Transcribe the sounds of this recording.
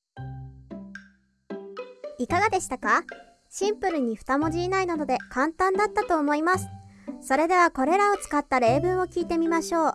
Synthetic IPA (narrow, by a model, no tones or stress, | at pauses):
ikaɡad̪e̞ɕi̥t̪aka | ɕĩmpɯ̟ɾɯ̟ɲ̟iɸɯ̥t̪amo̞ʑiːnainad̪o̞d̪e̞kãnt̪ãnd̪at̪ːat̪o̞ːmo̞imasɨ̥so̞ɾe̞d̪e̞β̞ako̞ɾe̞ɾao̞t͡sɨ̥kat̪ːaɾe̞ːbɯ̟̃ɰ̃o̞kʲiːt̪e̞mʲimaɕo̞ː